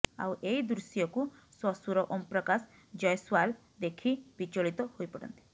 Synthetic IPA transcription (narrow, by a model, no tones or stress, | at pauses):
a̰wʔeid̪ɾusjɔkuswɔsuɾɔʔompɾɔkas | d͡ʒɔjswal | d̪ekʰibit͡ʃoɭit̪ɔhojpɔɽɔ̰nt̪i̥